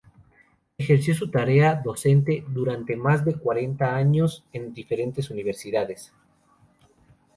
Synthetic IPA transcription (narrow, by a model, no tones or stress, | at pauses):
exe̞ɾsjo̞s̬ut̪aɾe̞aðo̞se̞nt̪e̞ðuɾant̪e̞mazðe̞kwaɾe̞nt̪aaɲo̞se̞nd̪ife̞ɾe̞nt̪e̞suniβ̞e̞ɾsiðaðes